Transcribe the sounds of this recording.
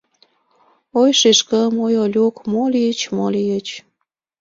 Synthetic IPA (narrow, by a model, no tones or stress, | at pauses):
ojʃeʃkəmojolʲukmolit͡ɕmolijət͡ɕ